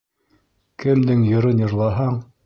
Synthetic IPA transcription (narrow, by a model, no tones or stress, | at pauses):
kɘ̆md̪ɘŋjŏɾɤnjɤ̆ɾlˠɑɦɑɴ